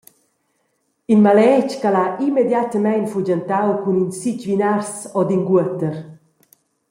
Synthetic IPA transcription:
inmalɛt͡ʃkalaʔimed̪jat̪əmɛjnfud͡ʒant̪awkuninsit͡ʃvinaɾsɔd̪inɡuət̪əɾ

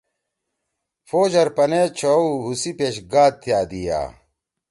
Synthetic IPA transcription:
foːd͡ʑɐɾpɐnet͡ɕʰoɦusipeɕɡaːd̪̚t̪jaːd̪ija̰ː

